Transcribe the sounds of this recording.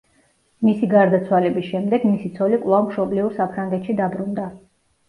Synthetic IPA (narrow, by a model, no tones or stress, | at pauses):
misiɡaɾd̪at̪sʰwalɛbisʃɛmd̪ɛɡmisit̪sʰɔlikʼwlˠavmʃɔbliuɾsapʰɾaŋɡɛt̪ʃid̪abɾund̪a